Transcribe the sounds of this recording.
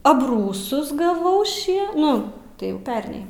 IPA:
ɐbˈruːsʊs ɡɐˈʋɐʊ ˈʃʲiɛ ˈnʊ tɐɪ jɛʊ ˈpʲɛrʲnʲɛɪ

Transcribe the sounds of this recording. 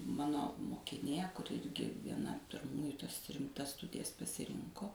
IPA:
ˈmɑːnoː moːkʲɪˈnʲeː kʊˈrʲɪ ˈɪrʲɡʲɪ ʋʲiɛˈnɐ pʲɪrˈmuːjʊ tɐs rʲɪmˈtɐs ˈstʊdʲɪjɛs pɐsʲɪˈrʲɪŋkoː

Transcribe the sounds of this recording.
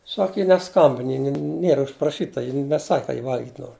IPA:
ˈsɐk ˈjɪ nʲɛˈskɐmʲbʲɪn ˈjɪ nʲɪ ˈnʲiɛrɐ ʊʃprɐˈʃʲiːtɐ ˈjɪ nʲɛˈsɐkʲ kɐ jɪ ˈʋɐlʲɡʲɪtʲ ˈnoːr

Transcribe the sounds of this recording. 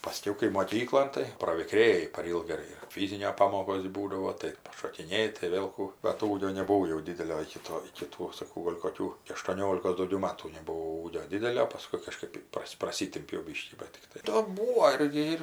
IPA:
pɐˈsʲkʲɛʊ kɐɪ moːˈkʲiːklˠoːn tɐɪ prɐʋʲɪˈkrʲeːjɪ pɐr ˈiːlˠɡɐ ɪr ɪr ˈfʲiːzʲɪnʲoː ˈpɑːmoːkoːsʲ ˈbuːdɐʋoː tɐɪ pɐʃoːkʲɪˈnʲeːjɪ tɐɪ ˈʋʲeːlˠ ˈkuː bɐt ˈuːɡʲoː nʲɛbʊˈʋɐʊ jɛʊ ˈdʲɪdʲɛlʲoː ɪkʲɪ ˈtoː ɪkʲɪ ˈtuː sɐˈkɐʊ ˈɡoːlʲ koːˈkʲuː ɐʃtuɔˈnʲoːlʲɪkoːs dɐʊˈɡʲɛʊ ˈmɑːtuː nʲɛbʊˈʋɐʊ uːɡʲoː ˈdʲɪdʲɛlʲoː pɐˈskʊɪ kɐˈʃkɜp ˈprɐsʲ prɐˈsʲɪtʲɪmʲpʲɛʊ ˈbʲiːʃʲkʲiː ˈbɐt ˈtʲɪktɐɪ ˈtoː ˈbuːoː ˈɪrʲɡʲɪ ɪr

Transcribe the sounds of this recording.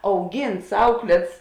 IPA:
ɐʊˈɡʲiːnts ˈɐʊklʲeːts

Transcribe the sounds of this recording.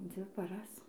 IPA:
ˈd͡zʲʋʲɪ pɐˈrɐs

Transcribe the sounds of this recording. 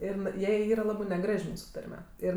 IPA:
ˈɪr n ˈjɛɪ ˈiːrɐ ˈlˠɑːbɜ nʲɛˈɡrɐʃʲ ˈmuːsʊ ˈtɐrʲmʲɛ ˈɪr

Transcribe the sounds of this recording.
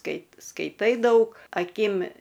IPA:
ˈkɐɪp skɐɪˈtɐɪ ˈdɐʊk ɐˈkʲɪm

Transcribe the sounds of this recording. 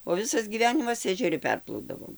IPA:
oː ˈʋʲɪsɐs ɡʲiːˈʋʲæːnʲɪmɐs ɛʒʲɛˈrʲɪ ˈpʲɛrplˠɐʊdɐʋoːm

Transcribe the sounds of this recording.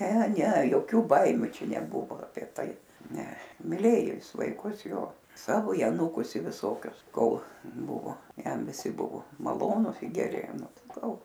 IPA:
nʲɛ nʲɛ joːˈkʲuː ˈbɐɪmʲʊ ˈt͡ʃʲɛ nʲɛˈbʊʋoː ɐˈpʲiɛ ˈtɐɪ ˈnʲɛ mʲɪˈlʲeːjoː ˈjɪs ʋɐɪˈkʊs ˈjoː ˈsɑːʋoː ɪ ɐˈnuːkʊs ɪ ʋʲɪˈsoːkʲʊs ˈkoːlˠ ˈbʊʋoː ˈjɛm ʋʲɪˈsʲɪ ˈbʊʋoː mɐˈlˠoːnʊs ɪ ɡʲɛˈrʲɪ ˈnʊ ˈtɐɪ ˈɡɐlˠ

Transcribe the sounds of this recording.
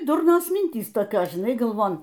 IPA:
ˈdʊrnoːs ˈmʲɪnʲtʲiːs toːˈkʲoːs ʒʲɪˈnɐɪ ɡɐlˠˈʋoːn

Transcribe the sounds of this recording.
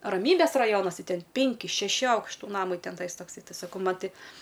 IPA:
rɐˈmʲiːbʲeːs rɐˈjoːnɐs ˈtɐɪ ˈtʲɛn ˈpʲɪŋʲkʲɪ ʃʲɛˈʃʲɪ ˈɐʊkʃtʊ ˈnɑːmɐɪ ˈtʲɛn ˈtɐɪs toːkˈsɐɪ ˈtɐɪ sɐˈkɐʊ ˈmɐn ˈtʲɪ

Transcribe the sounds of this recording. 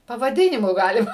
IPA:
pɐʋɐˈdʲɪnʲɪmʊ ˈɡɑːlʲɪmɐ

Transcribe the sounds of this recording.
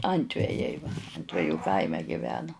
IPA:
ˈɐnʲtʲʋʲɛjɛɪ ɐnʲtʲʋʲɛˈjuː ˈkɐɪmʲɛ ɡʲɪˈʋʲæːnoː

